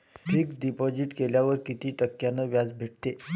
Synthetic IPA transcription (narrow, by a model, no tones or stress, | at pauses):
ʈʰiːkɖipɔd͡ʑiʈkeljaʋəɾkit̪iːʈəkːjanəʋjad͡zbʱeʈ̚t̪e